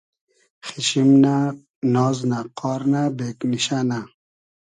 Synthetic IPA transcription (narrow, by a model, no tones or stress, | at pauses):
χiɕimna | nɔːznaqɔːɾnabeːkniɕana